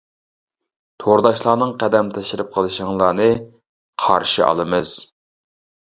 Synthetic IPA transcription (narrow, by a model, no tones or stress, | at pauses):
t̪ʰoɾd̪ɑʃlˠɑːnɨŋqæd̪ɛmt̪ʰɛʃiɾɨp̚qʰəlˠɨʃəŋlˠɑːnɨ | qʰɑ̰ɾʃiʔɑ̰lˠɨmɨz̥